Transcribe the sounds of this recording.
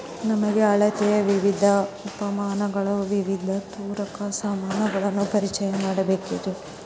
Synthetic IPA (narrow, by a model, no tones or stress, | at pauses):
nɐmɐɡeɐɭɐt̪ɛjɐʋiʋid̪ʱɐupɐmaːnɐɡɐɭɐʋiʋid̪ʱɐt̪uːɾɐkɐsaːmaːnɐɡɐɭɐnːupɐɾit͡ʃɐjɐmaːɽɐbe̞ːkiɾe